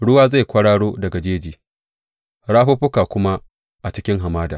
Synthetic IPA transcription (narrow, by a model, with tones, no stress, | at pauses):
ɽʊ˦waː˦za˦˨jkʷɐ˦ɽaː˦ɽoː˦dɐ˨ɡa˨d͡ʒeː˦d͡ʒiː˨ | ɽaː˦ɸʊ˦ɸʊ˦kaː˨kʷʊ˦ma˦ | ʔa˨t͡ʃɪ˦kʲɪ˦ŋɦa˨maː˦da̰˨